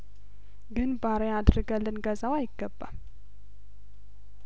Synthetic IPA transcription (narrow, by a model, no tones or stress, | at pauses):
ɡɨnbaɾead̪ɾɨɡəlːɨnɡəzawajɪɡːəbːa̰l